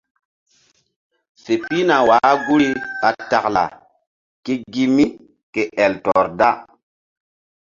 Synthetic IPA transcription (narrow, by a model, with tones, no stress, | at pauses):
se˨pi˦na˨waː˨˦ɡu˦ɾi˦ka˨ta˨kla̰˨ | ke˦ɡi˦mi˦ | ke˨ʔɛ˨ltɔ˨ɾda˦